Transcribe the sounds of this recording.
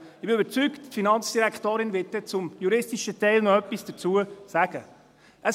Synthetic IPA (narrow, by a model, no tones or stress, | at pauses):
ɪbɪøbəɾt͡sykttfinɑnt͡sd̥iɾækχtoːɾɪnvɪt̚tɛt͡sʊmjuɾɪstiʃətɛɪlnɔœpːisd̥ət͡suəsæɡ̥ə | ʔə